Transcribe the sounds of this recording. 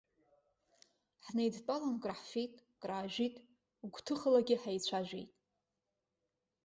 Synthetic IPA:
ħnejdt͡pʼalanɡʼraħfijtʼɡʼraːʒitʼ | ɡʷtʰɨχəlaɡʲɪħajt͡ɕʷʰaʒᶣḛjtʼ

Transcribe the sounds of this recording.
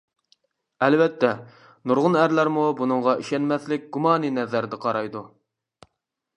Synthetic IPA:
ælvɛt̪ːɛ | nuɾʁʊnæɾlæɾmubunɨɴʁɑʔiʃɛnmɛθlɪk̚ʲɡ̥umɑːninɛzæɾd̪ɛqʰɑɾɑjd̪u

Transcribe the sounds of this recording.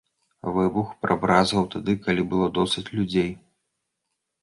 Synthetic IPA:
vɨbuxpɾabɾazɐwt̪ad̪ɨkalʲibɨlˠɔd̪ɔsʲɨt͡sʲlʲud͡zʲej

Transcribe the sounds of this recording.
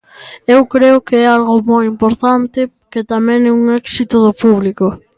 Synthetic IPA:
ewkɾeʊkeɛalɣomojimpoɾt̪ant̪ɪ | ket̪amɛ̃ŋɛuŋɛksit̪ʊðʊpuβliko

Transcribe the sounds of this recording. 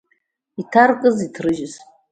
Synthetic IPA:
itʰarkʼɨzitʰrɨʒɪz

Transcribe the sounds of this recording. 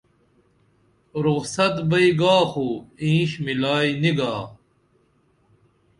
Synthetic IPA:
ɾuɣsɐt̪bɐiɡaːxoːĩːɕmilaːiniɡaː

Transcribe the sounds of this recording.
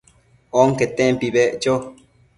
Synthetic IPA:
oŋket̪ẽmpiβeʔt͡ʃo

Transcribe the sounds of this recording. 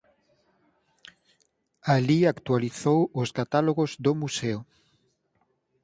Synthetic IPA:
aliakt̪waliθowʊskat̪aloɣozd̪omuseʊ

